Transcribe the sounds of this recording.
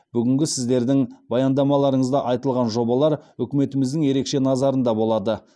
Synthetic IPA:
b̥ʏɡʲɪŋɡʲɪsɪzd̪e̞ɾd̪ɪŋbɑjɑnd̪ɑmɑlˠɑɾəɴəzd̪ɑʔɑjt̪əlˠʁɑnʒo̞bɑlˠɑɾʏkʲɪme̞t̪ɪmɪzd̪ɪŋje̞ɾe̞kʃe̞nɑzɑɾənd̪ɑbo̞lˠɑd̪ə

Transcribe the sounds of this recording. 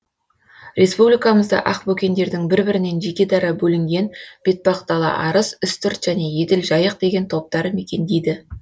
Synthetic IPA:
rʲʔe̞spublijkɑməzd̪ɑ̰ʔɑqbɵkʲe̞nd̪e̞ɾd̪ɪŋbɪɾbɪɾɪne̞nʒe̞kʲe̞d̪ɑɾɑbɵlɪŋɡʲe̞nb̥e̞t̪̚bɑqt̪ɑlˠɑ̰ʔɑɾəzʏst̪ʏɾt̪ʒ̥æne̞je̞d̪ɪlʒɑjəq̚d̪e̞ɡʲe̞nt̪ʰo̞p̚t̪ɑɾəme̞kʲe̞nd̪ejd̪ɪ

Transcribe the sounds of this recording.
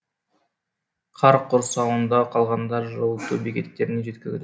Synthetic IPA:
qʰɑɾqʰoɾsɑwənd̪ɑqʰɑlˠʁɑnd̪ɑɾʒowˠt̪ubikʲe̞t̪ːe̞ɾɪneʒe̞t̪kʲɪzd̪

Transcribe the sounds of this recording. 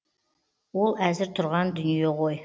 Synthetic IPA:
wolˠæzɪɾt̪ʰʊɾʁɑnd̪ʏnjeʁoj

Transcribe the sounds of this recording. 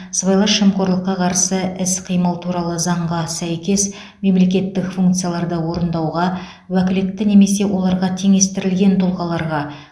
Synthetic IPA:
svɑjlˠɑʃəmqo̞ɾlˠəqːɑqʰɑɾsəɪsqʰijməlˠt̪ʰuɾɑlˠəzɑɴʁɑsæjkʲe̞s | me̞mle̞kʲe̞t̪ːɪkfuŋk̚t̪sɨjalˠɑɾd̪əwo̞ɾənd̪ɑwʁɑ | wækʲɪlɪk̚t̪ɪne̞me̞se̞wo̞lˠɑɾʁɑt̪ʰe̞ŋe̞st̪ɪɾɪlɡʲe̞nt̪ʰolˠʁɑlˠɑɾʁɑ

